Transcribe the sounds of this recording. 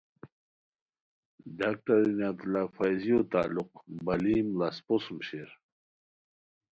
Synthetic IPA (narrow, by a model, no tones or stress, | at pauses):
ɖaːk̚ʈaɾinat̪lafajzijot̪a̰ːluqbɐliːmlasposmɕeɾ